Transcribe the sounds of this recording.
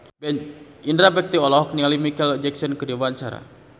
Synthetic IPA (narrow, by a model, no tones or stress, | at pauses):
b | indɾabɛk̚t̪iɔlɔɦɔk̚niŋalimikɛlɔd͡ʒɛksɔnkədiwant͡ʃaɾa̰